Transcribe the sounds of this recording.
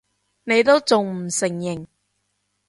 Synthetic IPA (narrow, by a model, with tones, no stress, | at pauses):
ne˨˧jt̪o˥wt͡sʊ˨ŋm̩˨˩sɪ˨˩ŋjɪ˨˩ŋ